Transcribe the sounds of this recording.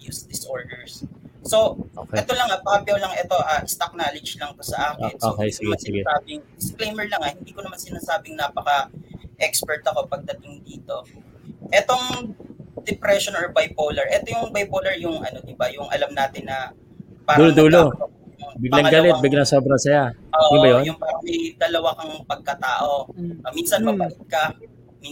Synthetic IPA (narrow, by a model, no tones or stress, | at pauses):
jusd̪ɪsʔo̞ɹd̪ɛɹsːo̞o̰kɛt̪olɐŋapɐkɐbjɐwlɐŋʔɛt̪o̞ʔaʔɪst̪ɐk̚naːlɪd͡ʒlɐŋt̪osɐʔaːknsoːkɛsɐɪɡɛsɪɡɛaːbɪŋd̪ɪsklejmɛɹlɐŋahɪnd̪iːko̞nɐmansɪnaːsaːbɪŋnaːpɐkɐʔɛkspɛɹt̪ɐko̞pɐɡ̚d̪ɐt̪ɪŋd̪iːt̪o̞ | ʔɛt̪oŋ | d̪ɛpɾɛʃonoɹbajpolɛɹʔɛt̪ojʊŋbajpolɛɹjʊŋʔɐ̰no̞d̪ɪbajʊŋʔɐ̰lamnaːt̪ɪnːɐ | paːɾuɐlod̪uːlo | bɪɡlɐɐɡɐlɛt̪̚bɪɡlɐŋsobɾɐsɐjaʔoːʔjʊbɐjonjʊŋpaɾɐmɐjd̪ɐlɐwakɐŋpɐɡ̚kɐt̪aːʔo̞ʔminsɐnmɐbɐʔɪt̪̚kɐ | mi